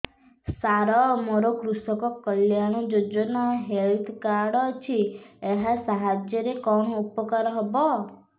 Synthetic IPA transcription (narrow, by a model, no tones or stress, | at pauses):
saɾɔmoɾokɾusɔkɔkəljañud͡ʒod͡ʒɔnɔɦelt̪ʰkaɾɽɔt͡ʃʰieɦasaɦad͡ʒjəɾekɔɳɔupɔkaɾɔɦɔbɔ